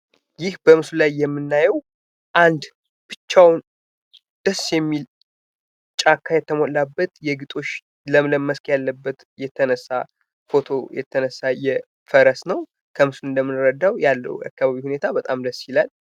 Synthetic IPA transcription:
jɪhbəmɨsulajːɛmːɨnːajɛw | ʔand̪ | b̥ɨt͡ʃːawn | d̪̥əsːjɛmːil | t͡ʃʼakʰːajɛt̪ʰːəmolːabːət̪jɛɡɨt̪ʼo̞t͡ʃː | ləmləmːəskʼjalːəbːət̪ | jɛt̪ʰːənəsːa | fo̞t̪ʰo̞jɛ̰t̪ʰːənəsːajɛ | fəɾəsnəw | kʰəmɨsunɨnd̪əmːɨnɾəd̪awjalːə̰hja̰kːaβaβihune̞t̪ʰabət̪ʼamd̪əsːjilal

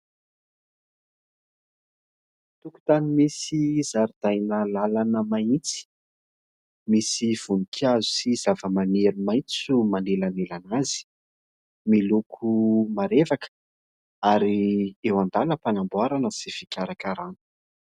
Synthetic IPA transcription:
t̪uku̥t̪animisizaɾid̪ajnəlalanəmait͡si̥ | misiv̥unikʲʰazu̥siz̥avəmaneɾumajt͡sumanelanelanazi̥ | milukʰumaɾevakə̥ | aɾiewand̪aləpanambwaɾanəz̥ifikʲaɾakaɾanu̥

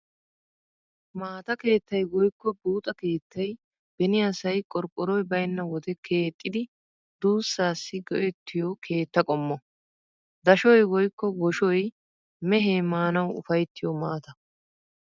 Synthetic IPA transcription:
maːt̪ɐke̞ːt̪ːɐjwɔjkːɔbuːt̪ʼɐke̞ːt̪ʰːɐj | b̥ɛnɪjasɐjkʼɔɾkʼːɔɾɔjbɐjnːɐwɔd̪ɛkʰe̞ːt̪ʼːɪd̪ɪ | d̪̥uːsːaːsːɪɡɔʔɛt̪ʰːɪjɔkʰe̞ːt̪ːɐkʼɔmːɔ | d̪ɐʃɔjwɔjkːɔɡɔʃɔj | mɛɦeːmaːnɐwʊ̰fɐjt̪ːɪjɔmaːt̪ɐ

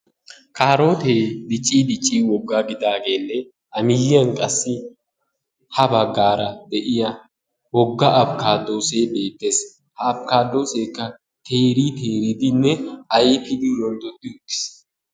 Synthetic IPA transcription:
kaːɾo̞ːt̪eːd̪ɪt͡ʃʼːiːd̪ɪt͡ʃʼːiːwɔɡːaːɡɪd̪aːɡe̞ːnːɛ | ʔɐmɪjɪɐŋkʼɐsːɪ | hɐbɐɡːaːɾɐd̪ɛʔɪjɐ | wɔɡːaʔɐbkaːd̪ːo̞ːseːbe̞ːt̪ːe̞ːs | hɐːbkaːd̪ːo̞ːse̞ːkːɐ | t̪ʰe̞ːɾiːt̪e̞ːɾɪd̪ɪnːɛɐjepɪd̪iɾɔnd̪ɔd̪ːɪʊkːɪ̥s

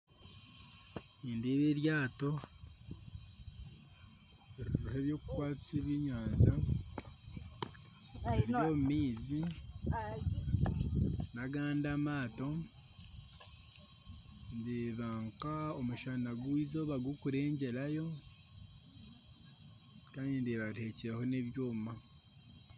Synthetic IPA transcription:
iːndeβeɾjaːto̞ | eɾiɾuhe̞βjo̞ːku̥kwaːt͡siβiɲaːnza | eɾjoːmumiːzi | naɡaːndamaːto̞ | ndeβaːŋkaomuʃanaɡuizo̞βaɡukuɾe̞ːɲɟe̞lajo̞ | kaːndindeβaɾhe̞ciɾeho̞ne̞βjoːmuma

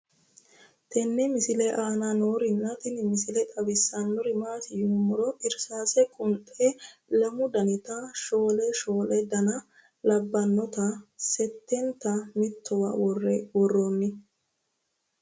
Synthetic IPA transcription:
t̪ʰɛnːɪmɪsɪlɛʔaːnanoːɾɪnːɐt̪ɪnɪmɪsɪlɛt̪ʼɐbɪsːɐnːɔɾɪmaːsɪjʊmːʊɾɔʔɪɾsaːsɛkʼʊnt̪ʼɛlɐmʊd̪ɐnɪt̪ɐʃo̞ːlɛʃoːlɛd̪ɐnɐ | lɐbːɐnːɔt̪ɐsɛt̪ːɛnt̪ɐmɪt̪ʰːɔwawɔrːɛwɔrːonːɪ

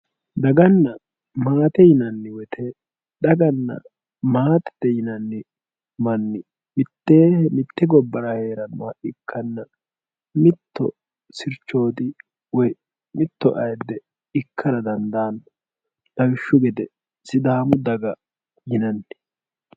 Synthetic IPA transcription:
d̪ɐɡɐnːɐ | maːt̪ɛjɪnɐnːɪwɛt̪ʰɛ | ɗ̪ɐɡɐnːɐ̰ | maːt̪ɛ̥d̪ɛjɪnɐnːɪ | mɐnːɪ | mɪt̪ːeːhmɪt̪ːɛɡɔbːɐɾɐhe̞ːɾɐnɐʔɪkʰːɐnːɐ | mɪt̪ːɔ̰ | sɪɾt͡ʃːo̞ːd̪ɪ | wɔj | mɪt̪ːɔ̰ʔɐjd̪ːɛ | ɪkʰːɐɾɐd̪ɐnd̪aːn | dɐwɪʃːʊɡɛd̪ɛ | sɪd̪aːmʊd̪ɐɡɐ | jɪnɐnːɪ

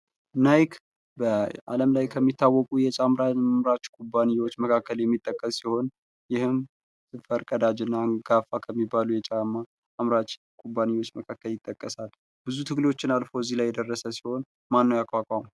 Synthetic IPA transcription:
najkʰ | bəa̰ləmlajkʰəmːit̪ʰːawːɔkʼujɛt͡ʃʼamɾamɾat͡ʃkʼʰubːanijwot͡ʃːməkʰakːəljɛmːit̪ʼːəkʼːəssiho̞n | jɪhɨm | sɨfəɾkʼəd̪ad͡ʒɨnːaɡ̥afakʰəmːibːalujɛt͡ʃʼamːaː | mɾat͡ʃ | kʰʼubːanijwo̞t͡ʃːməkʰakːəljɪt̪ʼːəkʼːəsal | bɨzut̪ʰɨɡlewo̞t͡ʃːɪnalfozːihlajːɛd̪ərːəsəsi̥ho̞n | manːəjakʼwakʼam

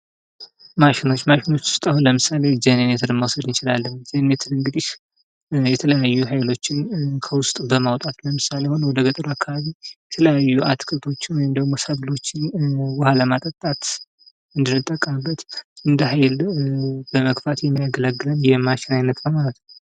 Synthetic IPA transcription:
maʃɪno̞t͡ʃːmaʃɪno̞t͡ʃːwʊ̥st̪ʼahunləmɨsale̞d͡ʒenenet̪ʰəɾɨnməwsəd̪ɨnt͡ʃɪlalːənd͡ʒənet̪ʰəɾɨŋɡɨd̪iʃ | jɛt̪ʰələjajːuɦajlo̞t͡ʃːɪnkʰəwʊst̪ʼbəmawt̪ʼat̪ləmɨsalehonəwɔd̪əɡət̪ʼɾoakʰːaβaβijɛt̪ʰələjajːuʔat̪kʼɨt̪ʰo̞t͡ʃːɪnwɔjɪmd̪əɡmo̞səβlo̞t͡ʃːwɔhaləmat̪ʼət̪ʼːat̪ | ɨnd̪ɨnːɨt̪ʼːəkʼːabːət̪ɨnd̪əɦajl | bəməkfat̪jɛmːijaɡələɡːɨlənjɛmaʃɪnajnːət̪nəwmalət̪nəw

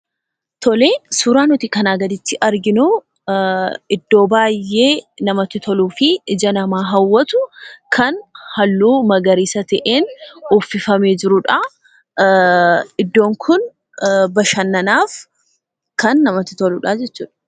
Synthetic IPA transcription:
t̪ɔleːsuːɾaːnʊt̪ikɐnaːɡɐd̪ɪt̪ːɪʔɐɾɡɪnʊ | ɪd̪ːo̞ːbaːjːe̞ːnɐmɐt̪ɪt̪ʰɔluːfɪɪd͡ʒɐnɐmaːɦɐwːɐt̪ʊkʰɐnhɐlːuːmɐɡɐɾiːsɐt̪ɛʔeːnɔfːɪfɐmeːd͡ʒɪɾʊᶑɐ | ɪd̪ːo̞ːŋkʰʊn | bɐʃɐnːɐnaːf | kɐnːɐmɐt̪ɪt̪ɔlʊᶑaːd͡ʒɛt͡ʃːṵːᶑɐ̥

